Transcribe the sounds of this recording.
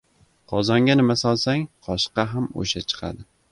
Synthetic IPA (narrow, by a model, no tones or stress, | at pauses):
qʰɒzɒŋɡʲanɪmasɒlˠsaŋqʰɒʃqɑɦamo̰ʃat͡ʃʰɨ̥qʰa̰d̪ɪ